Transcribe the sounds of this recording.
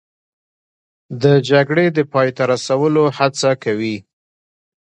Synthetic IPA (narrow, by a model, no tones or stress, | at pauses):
d̪əd͡ʒaɡɽed̪əpɑjt̪aɾasawəlohat͡sakawi